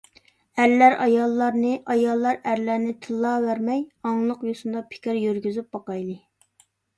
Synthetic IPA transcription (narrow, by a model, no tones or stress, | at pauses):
æɾlæɾɑjɑlˠːɑɾnɨʔɑjɑlˠːɑɾæɾlæɾnɪt̪ʰɨlˠːɑːvæɾmɛjɑŋlˠəqjosund̪ɑpʰɪ̥kʲɪɾjyɾɡʲyzyp̚bɑqɑjlˠɨ